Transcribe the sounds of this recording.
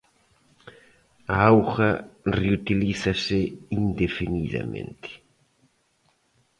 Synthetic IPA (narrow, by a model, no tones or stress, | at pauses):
aawxɐreut̪iliθɐsɪind̪efiniða̰mḛ̃nt̪ʰɪ̥